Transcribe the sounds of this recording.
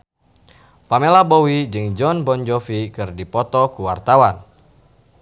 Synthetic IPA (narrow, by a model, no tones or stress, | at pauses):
pamelabɔwid͡ʒɨŋd͡ʒɔnbɔnd͡ʒɔfikɨrdipɔt̪ɔkuwart̪awan